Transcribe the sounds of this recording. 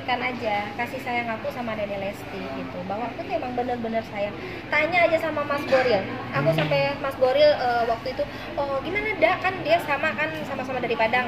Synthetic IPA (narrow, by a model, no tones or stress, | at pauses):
kanad͡ʒakasihsajaŋakusamanɛnelɛst̪iɡit̪ubawaːkuit̪uemaŋbənərbənərsajaŋ | t̪aɲaːd͡ʒasamamasɡoɾɪl | ʔakusampɛmasɡoɾɪləwak̚t̪uit̪u | ɔɡimanadaʔkandiasamakansamasamadaɾipadaŋ